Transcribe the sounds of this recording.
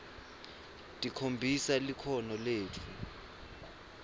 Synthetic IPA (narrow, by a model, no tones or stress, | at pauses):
tʼikʰombʱisalikʰɔnɔleːtʰu